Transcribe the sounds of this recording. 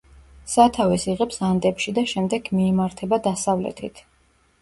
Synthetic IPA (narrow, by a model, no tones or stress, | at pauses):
sat̪ʰavɛsiʁɛpsand̪ɛpʃid̪aʃɛmd̪ɛɡmiɛmaɾt̪ʰɛbad̪asavlɛ̰t̪ʰit̪ʰ